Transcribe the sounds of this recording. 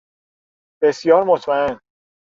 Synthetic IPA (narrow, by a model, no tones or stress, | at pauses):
b̥e̞sjɒːɾmot̪ʰmæen